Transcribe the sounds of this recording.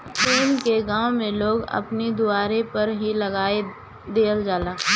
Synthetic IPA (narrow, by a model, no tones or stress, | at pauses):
peːnkeɡãːwmẽloːɡɐ̰pnid̪ʊaːɾepɐɾɦilɐɡaːe | d̪eːəld͡ʒaːlaː